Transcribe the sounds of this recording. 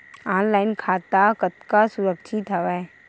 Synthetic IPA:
aːnlaːɪnkʰaːt̪akət̪kasʊɾəkʃʰɪt̪əʋɛ

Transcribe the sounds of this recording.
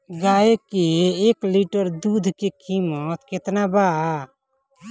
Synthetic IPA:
ɡaekeːkliʈəɾd̪ud̪ʱkekimət̪ket̪naba

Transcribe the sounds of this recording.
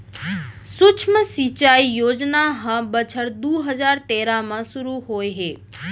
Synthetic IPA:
sʊt͡ʃʰməsit͡ʃaːijoːd͡ʒnaɦə̃bət͡ʃʰəɽd̪uːɦəzaːɾt̪eːɾamãsʊɾuɦoːeɦeː

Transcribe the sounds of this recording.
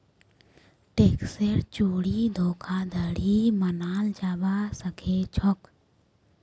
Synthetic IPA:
ʈeːkseɾt͡ʃuːɽid̪ʱoːkʰaːd̪ʱəɽimənaːld͡ʒaːbasəkʰeːt͡ʃʰɔk

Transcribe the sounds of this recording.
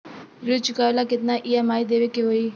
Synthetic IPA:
ɾut͡ʃʊkaːʋlakɪt̪naʔijamaːid̪eːʋekeɦoːiː

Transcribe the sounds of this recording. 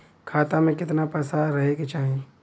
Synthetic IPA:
kʰaːt̪amẽkɪt̪napɐsaːɾɐɦeket͡ʃaːɦẽ

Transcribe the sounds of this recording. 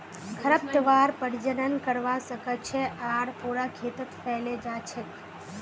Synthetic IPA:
kʰəɾəp̚t̪əʋaɾpəɽd͡ʒənənkəɾʋasəkət͡ʃʰeʔaɽpuɾakʰet̪ət̪pɛɦled͡ʒat͡ʃʰe

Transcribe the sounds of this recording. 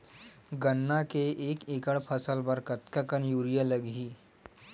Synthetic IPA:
ɡənːakeʔeːkekəɽpʰəsəlbəɾkət̪kəkənjuːɾijələɡɦiː

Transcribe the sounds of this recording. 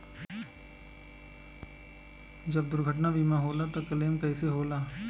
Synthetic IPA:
d͡ʒɐbd̪ʊɾɡʱəʈ̬nabiːmãɦoːlat̪okɐleːmkɛːseɦoːlaː

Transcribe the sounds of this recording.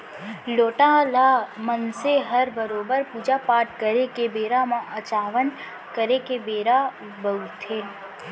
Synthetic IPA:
loːʈalaːmənseɦɐɾbəɾoːbəɾpuːd͡ʒapaːʈkəɾekebeːɾamãət͡ʃaːʋən | kəɾekebeːɾa | bəut̪ʰeː

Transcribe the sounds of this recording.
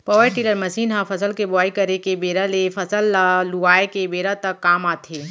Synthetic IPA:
pɔːʋəʈiːləɾmɐsiːnɦãfʰɐsəlkebɔaːikɐɾekebeːɾalefʰɐsəlːaluaːekebeːɾat̪ɐkːaːmaːt̪ʰeː

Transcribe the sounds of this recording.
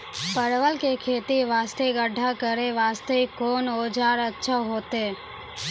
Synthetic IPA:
pəɾʋəlkekʰeːt̪iʋaːst̪eɡəɖʱakəɾeʋaːst̪eikoːnoːd͡ʒaːɾətːʃʰaɦoːt̪eː

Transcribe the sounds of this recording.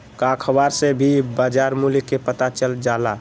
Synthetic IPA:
kakʰəbaɾsebʱibad͡ʒaɾmulkːepət̪at͡ʃəld͡ʒala

